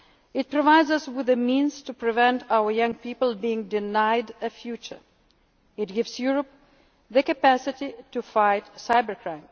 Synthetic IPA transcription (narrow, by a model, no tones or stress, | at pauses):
ɪt̚pɹɔvaɪdzʌswɪðɨmĩnz̥tupɹɨvɛ̃ntʰaʊə˞jʌ̃ŋpipəl̩ˠbiɪ̃ŋdɪnaɪdɨfjut͡ʃə˞ | ɨt̚ɡɪvz̥juɹəp̚ | ðəkɨpæsɨtitufaɪtsaɪbə˞kʰɹ̥ãɪ̃m